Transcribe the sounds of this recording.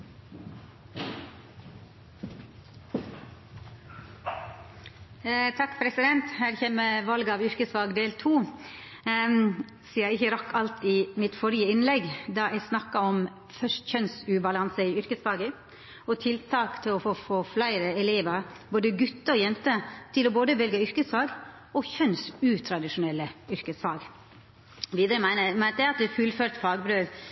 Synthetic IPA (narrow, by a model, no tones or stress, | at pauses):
t̪ʰɑkːpʰɾɛsɪd̪ɛnt̪hæːɾçeːməʋɑlɡɑːʋʏɾkəsfɑːɡd̪eːlt̪ʰuː | siːɑɪçəɾɑkʰːɑlt̪ɪmɪt̪fɔɾjəɪnlɛɡd̪ɑːʔæɪsnɑkːɑɔm | fœʂtçœnsʉbɑlɑnsəɪʏɾkəsfɑːɡə | ɔt̪ʰɪlt̪ʰɑːkt̪ʰɪlɔfoːfoːflæɪɾəɛleːʋəɾboːd̪əɡʉt̪ːəɔjɛnt̪ət̪ʰɪlɔboːd̪əʋɛlɡəʏɾkəsfɑːɡ | ɔçœnsʉːt̪ʰɾɑd̪ɪʂʊnɛlːəʏɾkəsfɑːɡ | ʋiːd̪əɾəmæɪnəmænt̪ɛɑt̪̚d̪ɛfʉlføːɾt̪fɑːɡbɾøːʋ